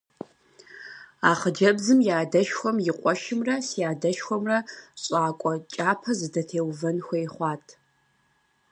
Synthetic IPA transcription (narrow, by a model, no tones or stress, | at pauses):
aːχəd͡ʒɐbzɨmjaːdɐʃxʷɔmjɪqʷʼɔʃɪmrɐsijaːdɐʃxʷɔmrɐɕʼaːkʷʼɔt͡ʃʼaːpʰɐzɨdɐtʰeːwvɐnxʷejχʷɑːtʰ